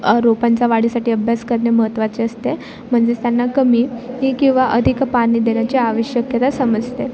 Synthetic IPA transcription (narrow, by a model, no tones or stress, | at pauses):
ɾopant͡saʋaɽ̤iːsaʈiːəbʱjaskəɾɳeməɦət̪ʋat͡seəst̪e | m̤əɳd͡zet̪janːakəmiːɦikĩw̃ʋaʔəd̪ʱikpaɽ̃iːd̪eɳ̃jat͡ɕeaʋəɕjəkjət̪asəməd͡zt̪e